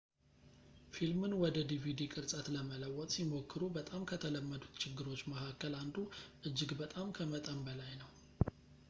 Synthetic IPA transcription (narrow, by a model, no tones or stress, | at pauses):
filmɨnwɔd̪əd̪ivid̪ikʼɨɾsʼət̪ləmələwːɔt̪ʼsimo̞kːɨɾubət̪ʼamkʰət̪ʰələmːəd̪ut̪t͡ʃʰɪɡːɨɾo̞t͡ʃːməkʰakːəland̪uʔɨd͡ʒːɪɡbət̪ʼamkʰəmət̪ʼəmbəlajnəw